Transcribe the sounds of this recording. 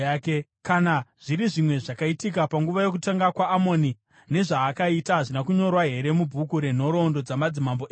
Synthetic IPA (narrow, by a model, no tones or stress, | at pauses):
akekanaʐ̥iɾiʐimwe̞ʐakaitik̬apaŋɡuʋajo̞kutaŋɡakwaːmo̞ːni | ne̞ʐaːkaitaɦaʐinakuɲo̞rwaɦe̞ɾe̞mubʱukuɾe̞n̤o̞ɾo̞ndo̞d͡zamad͡zimamboe